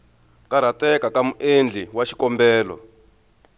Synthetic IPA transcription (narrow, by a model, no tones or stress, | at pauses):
kaɾ̤atɛkakamuʔend͡ɮʱiwaʃi̥kɔmbɛːlɔ̰